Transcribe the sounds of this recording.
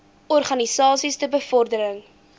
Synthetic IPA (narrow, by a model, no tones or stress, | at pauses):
ɔrχɐnisɑːsistəbəfɔrdəɾəŋ